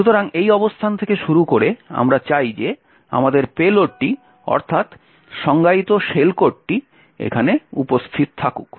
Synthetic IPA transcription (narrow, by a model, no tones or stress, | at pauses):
ʃut̪oɾaŋejɔbost̪ʰant̪ʰekeʃuɾukoɾea̰mɾat͡ɕajd͡ʑe | a̰mad̪eɾpeloʈʈːi | ɔ̰ɾt̪ʰat̪ | ʃɔŋɡait̪oʃelkoʈʈi | ḛkʰaneupost̪ʰit̪̚t̪ʰakṵk